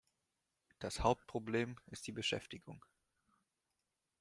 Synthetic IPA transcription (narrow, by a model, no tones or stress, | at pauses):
d̥ashaʊp̚t̚pʁ̥obleːmɪstd̥iːbəʃɛ̰ftɪɡʊŋ